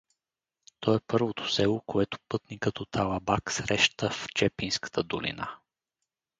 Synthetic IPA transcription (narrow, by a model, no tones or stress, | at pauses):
t̪ɔɛpɤɾvot̪o̥sɛlˠokoɛt̪o̥pɤt̪nikət̪ɔt̪ʰalˠabaksɾɛʃt̪əft͡ʃɛpinskə̥t̪ʰəd̪olḭna̰